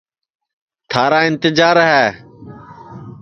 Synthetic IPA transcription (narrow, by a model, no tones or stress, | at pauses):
t̪ʰaːɾaːɪ̃nt̪ɪd͡ʒaːɾɦɛː